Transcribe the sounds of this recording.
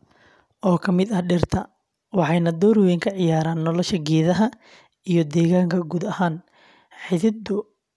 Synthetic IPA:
ʔɔːkʰɐmɪd̪ɐhɖɪrt̪ʰɐ | wɑħɑjnɐd̪ɔːɾwɛːjŋkʰɐʕɪjaːɾaːnːɔlɔʃɐɡɛːðɐɦɐ | ijɔd̪ɛːɣaːŋkʰɐɡuːd̪ɐhaːn | ħɪðɪd̪ʊ

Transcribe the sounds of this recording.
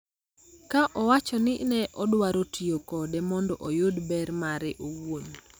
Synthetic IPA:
kaʔɔwat͡ʃɔnɪnɛʔɔdwaɾotiokɔdɛmɔndɔʔojʊdbɛɾmaɾɪʔowon

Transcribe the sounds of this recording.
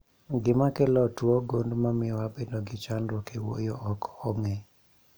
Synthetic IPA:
ɡɪmakɛlɔtwoɡondmamɪɔwabedoɡɪt͡ʃandokewo̰jɔʔɔkɔŋe

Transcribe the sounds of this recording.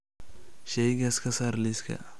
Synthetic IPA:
ʃɛjɡɐskɐsaɾliskʰɐ̰

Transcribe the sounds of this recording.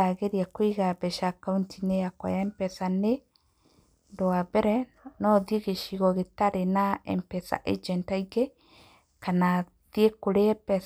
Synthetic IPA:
aɣeɾiakweɣabɛʃakauntʰineakwa̰jampɛθane | ndoabɛɾɛnɔðieɣeʃiɣɔɣetaɾenaɛ̰mpɛθa̰ʔḛd͡ʒɛntaiɣe | kana | ðiekoɾepɛs

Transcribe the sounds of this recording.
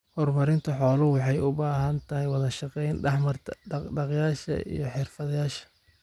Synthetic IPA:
hɔrmɐɾɪnt̪ʰɐħɔːlʊwɑħɑjʊbaːɦɐnt̪ʰɐhɪjwɑðɐʃɑqɛjnɖɛħmɐrt̪ʰɐɖɑqjaːʃɐ̰ʔḭjɞħɪrfɐðjaːʃɐ̥

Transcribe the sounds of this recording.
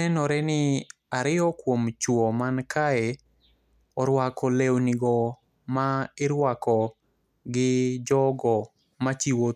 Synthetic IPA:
ɛnɔɾɛnɪ | aɾɪɔkwomt͡ʃwɔmankʰaɛ | ɔɾwakɔlewniɡɔ | maɪɾwakɔ | ɡɪd͡ʒɔɡɔ | mat͡ʃiwo

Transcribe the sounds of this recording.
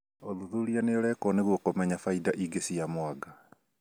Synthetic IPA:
oðuðulianeoɾɛkɔneɣwokomɛɲafaidaʔiɡesiamwaɡa

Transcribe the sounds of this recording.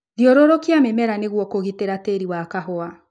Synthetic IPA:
ðiɔɾɔɾɔkiamemɛɾaneɣwɔkoɣiteɾateɾiwakaɦɔa

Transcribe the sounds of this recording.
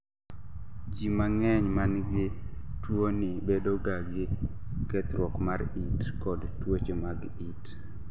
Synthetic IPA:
d͡ʒimaŋɛɲmanɡɪ | twonɪbedoɡaɡɪ | kɛt̪ɾwɔkmaɾitkɔdtwot͡ʃemaɡ | it

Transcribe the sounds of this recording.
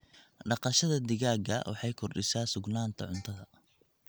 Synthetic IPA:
ɖɑqɑʃɐðɐd̪ɪɣaːɡɐ̰wʔɑ̰ħɑjkʰɔrɖɪsaːsʊɡnaːnt̪ʰɐʕʊnt̪ʰɐðɐ

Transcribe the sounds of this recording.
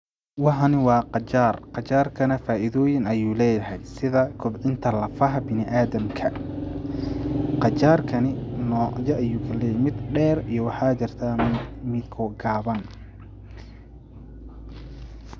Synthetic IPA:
wɑħɑnɪwɑːqɑt͡ʃaːrqɑt͡ʃaːrkʰɐnɐfaːʔɪðɔːjɪnɐjuːlɛːjɐɦɛjsɪðɐkʰʊbʕɪnt̪ʰɐlɐfɐɦɐbɪnɪʔaːðɐmkʰɐ | qɑt͡ʃaːrkʰɐnɪnɔːjɐʔɐjuːkʰɐlɛːjɛjmɪd̪ɖɛːrijɞwɑħɑːt͡ʃɪrt̪ʰaːmɪd̪kʰɔɡaːβɐn

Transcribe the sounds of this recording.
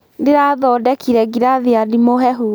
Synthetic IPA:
ndeɾaðɔdɛkʰiɾɛɡiɾaðeadimoɦɛɦu

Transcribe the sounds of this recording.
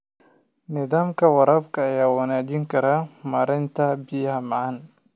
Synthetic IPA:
nɪðaːmkʰɐwɑɾɐːbkʰɐːjaːwɐnaːt͡ʃɪŋkʰɐɾɐmɐɾɐjnt̪ʰɐbɪjɦamɐʕan

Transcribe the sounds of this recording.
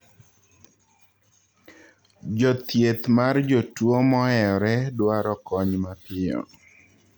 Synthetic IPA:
d͡ʒɔt̪jet̪mard͡ʒɔtwomɔɛɔɾɛdwaɾɔkɔɲmapʰɪɔ̰

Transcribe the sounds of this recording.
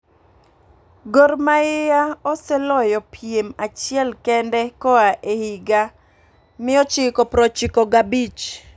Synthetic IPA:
ɡormaɪjaɔsɛlɔjɔpʰiemat͡ʃɪɛlkɛndɛkɔaʔehiɡa | mɪɔt͡ʃɪkɔpɾɔt͡ʃɪkɔɡabit͡ʃ

